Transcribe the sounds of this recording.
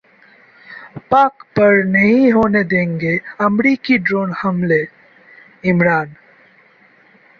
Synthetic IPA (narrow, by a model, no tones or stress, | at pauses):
paːkpɐɾnɐɦĩɦoːned̪ẽːŋɡeɐmɾiːkiɖɾoːnhɐmle | ɪmɾaːn